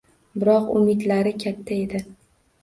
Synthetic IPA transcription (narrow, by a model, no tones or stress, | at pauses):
bɪɾɒqʊ̰mɪd̪laɾɪkʲʰat̪ʰːae̞d̪ɪ